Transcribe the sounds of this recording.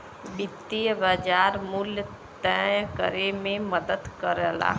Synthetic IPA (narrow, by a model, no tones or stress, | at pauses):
bɪt̪ːijəbad͡ʒaːɾmʊlj | t̪ɛjkəɾemẽməd̪əd̪kəɾəla̰ː